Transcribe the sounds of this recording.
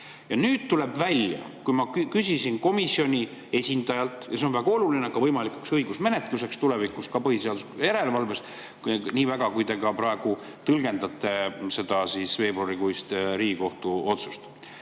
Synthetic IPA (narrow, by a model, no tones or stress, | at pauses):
jɑnyːd̪̥t̪ule̞bvælʲjɑ̰ | kujmɑkkysʲisinko̞misio̞nʲi | e̞sʲind̪̥ɑjɑlt̪ˑjɑse̞o̞nvæɡ̥ɑo̞lulineɑɡ̥ɑvɤjmɑlikuksɤjɡ̥usme̞ne̞t̪luse̞kst̪ule̞vikˑuskɑpɤɦhise̞ɑd̪̥usjæɾe̞levɑlve̞s | niːvæɡ̥ɑkujd̪e̞kɑpɾɑe̞ɡ̥u | t̪ɤlɡ̥e̞nd̪ɑt̪ˑːe̞se̞d̪̥ɑsiːsve̞ːbɾoɾikujst̪ɾiːɡiko̞ht̪uo̞t̪su̥st̪